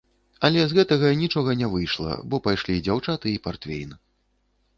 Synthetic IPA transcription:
ɐlʲɛzɣɛt̪ɐɣɐnʲit͡ʂɔɣɐnʲɛvɨjʂlˠɐ̰bɔpajʂlʲid͡zʲawt͡ʂat̪ɨipart̪fʲḛjnɨ

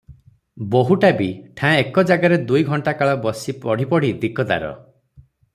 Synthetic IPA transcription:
boɦuʈabiʈʰãekɔd͡ʒaɡaɾed̪ujɡʱɔɳʈakaɭɔbɔsipɔɽ̤ipɔɽ̤id̪ikɔd̪a̰ɾɔ̰

